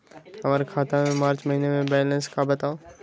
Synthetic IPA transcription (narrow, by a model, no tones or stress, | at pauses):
ɐʋaɾkʰaːt̪amẽmaːɾt͡ɕmɐɦiːnemẽbɛːlə̃nskʰãbɐt̪ã